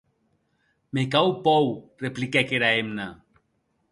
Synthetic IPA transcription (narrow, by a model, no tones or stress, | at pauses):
mekawpɔwreplikɛkeɾaemna